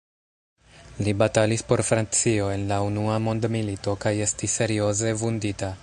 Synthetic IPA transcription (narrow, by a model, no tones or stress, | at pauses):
libatalispo̞ɾfɾant͡sio̞e̞nlaunuamo̞ndmilito̞kaje̞stise̞ɾio̞ze̞vundita